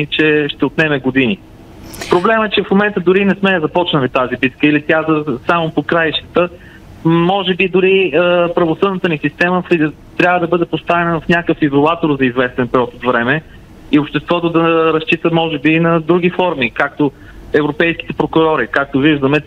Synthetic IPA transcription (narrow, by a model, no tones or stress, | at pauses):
it͡ʃɛʃt̪ɛot̪nɛmɛɡod̪ini | pɾoblɛmɛt͡ʃɛfmomɛnt̪əd̪ʊɾinɛsmɛzɐpɔt͡ʃnɐlit̪azibit̪kəilit̪ʲjazəsamopokɾajʃt̪ə̥t̪ə | mɔʒɛbid̪ʊɾiəpɾɐvosɤd̪nət̪ənisist̪ɛməfi | t̪ɾʲabvəd̪ɐbɤd̪ɛpost̪avɛnəvɐfnʲakəfizolˠat̪oɾzɐizvɛst̪ɛnpɛɾʲiɔt̪ot̪vɾɛmɛ | iopʃt̪ɛst̪vɔt̪od̪ɐɾɐst͡ʃit̪əmɔʒɛbinɐd̪ɾuɡ̟ʲifɔɾmikak̚t̪o | ɛvɾopɛjskʲi̥t̪ɛpɾokʊɾɔɾikak̚t̪oviʒd̪ɐmɛt̪